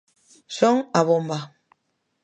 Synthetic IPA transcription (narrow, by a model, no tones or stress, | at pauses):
soŋaβomba